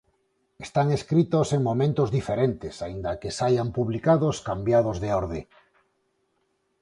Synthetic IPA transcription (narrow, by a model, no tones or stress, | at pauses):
est̪aŋeskɾit̪oseŋmomẽnt̪ozðifeɾent̪esaind̪akesajampuβlikaðoskambjað̞ozðeoɾðḛ